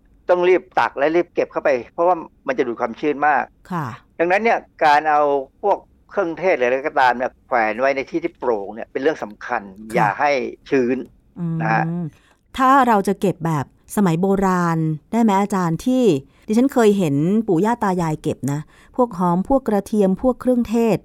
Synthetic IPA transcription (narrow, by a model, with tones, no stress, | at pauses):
t̪ɔ˥˩ŋɾi˥˩p̚t̪a̰˨˩k̚lɛ˦˥ɾi˥˩p̚ke˨˩p̚kʰa˥˩wpa˧jpʰɾɔ˦˥waː˥˩ma˧nt͡ɕa˨˩duː˨˩kʰaː˧mt͡ɕʰɯː˥˩nmaː˥˩k̚kʰa˥˩da˧ŋna˦˥nːi˥˩ɐkaː˧nʔa˧wpʰu˥˩əkʰːɾɯ˥˩˨ŋt̪ʰeː˥˩t̪̚lɯ˨˦˧kɔ˥˩t̪aː˧mni˥˩ɐkʰwɛː˩˦nwa˦˥jna˧jt̪ʰiː˥˩iː˥˩pɾoː˨˩k̚ni˥˩ɐpe˧nɾɯ˥˩əŋsa˩˦mkʰa˧nja̰ː˨˩kha˥˩jt͡ɕʰɯː˦˥n | ʔɯː˧na˦˥hʰa˦˥ | t̪ʰaː˥˩ɾa˧wt͡ɕa˨˩ke˨˩p̚bɛː˨˩p̚sa˧ma˩˦jboː˧ɾaː˧ndaː˥˩jmɛ˦˥ʔaː˧t͡ɕaː˧nt̪ʰiː˥˩ | t̪i˧t͡ɕʰa˦˥nkʰɤː˧jɦe˩˦npuː˨˩˦jaː˥˩t̪ːaː˧jaː˧jke˨˩p̚na˦˥ | pʰu˥˩ək̚ɦɔː˦˥mpʰu˥˩əkːɾa˧t̪ʰi˧əmpʰu˥˩əkʰɾɯ˥˩əŋt̪ʰeː˥˩t̪̚